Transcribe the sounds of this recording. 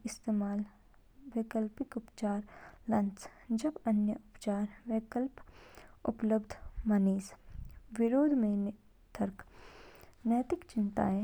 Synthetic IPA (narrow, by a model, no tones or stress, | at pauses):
ɪst̪eːmaːl | ʋɪkəlpɪkʊpt͡ʃaːɾlɐ̃ns | d͡ʒɐbɐnjəʔʊpt͡ʃaːɾʋɪkəlpʊ̰pləbd̪ʱmɐniːsʋɪɾoːd̪ʱmẽn | t̪ʰəɾk | nəːt̪ɪkt͡ʃɪnt̪a̰ɦɛ